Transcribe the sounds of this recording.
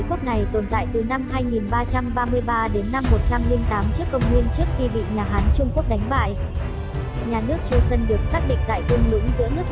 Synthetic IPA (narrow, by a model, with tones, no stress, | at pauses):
ku˦˥əp̚na˨˩jt̪o˨˩nt̪a̰ː˧˨jt̪ɨ˨˩na˧mhaː˧jŋi˨˩nɓaː˧t͡ɕa˧mɓaː˧mɨ˧əjɓaː˧ɗe˨˦nːa˧mːo˨˩t̚t͡ɕa˧mli˧ŋt̪aː˨˦mt͡ɕɨ˦˥əkːə˧wŋ͡mŋwi˧ənt͡ɕɨ˦˥ək̚t̪i˧ɓḭ˧˨ɲaː˨˩ɦaː˨˦nt͡ɕʊ˧ŋ͡mku˦˥ək̚ɗa˨˦jŋ̟ɓa̰ː˧˨jʔ | ɲaː˨˩nɨ˦˥ək̚t͡ɕɨ˧sə˧nɗɨ˨˩ək̚saː˦˥k̚ɗḭ̈˧˨ŋ̟t̪a̰ː˧˨jt̪i˧ŋlʊ̰˧˥ŋzɨ̰˧˥nɨ˦˥ək